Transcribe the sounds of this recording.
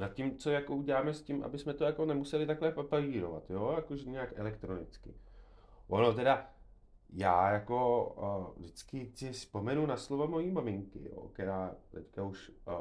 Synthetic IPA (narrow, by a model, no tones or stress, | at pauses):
nat̪̚cimt͡so̞jako̞uɟɛlaːmɛscimʔa̰bɪsmɛt̪ojako̞nɛmusɛlɪt̪aklɛpapaviːɾo̞va̰t̪joːjakoʒɛɲɛakɛ̰lɛkt̪ɾo̞nɪt͡skɪ̰ | ʔono̞t̪ɛda | jaːjako̞ | dɪt͡skɪsɪspo̞mɛnunaslovamo̞jiːmamɪŋkɪ̰jo̰kɛɾaːt̪ɛckauʃ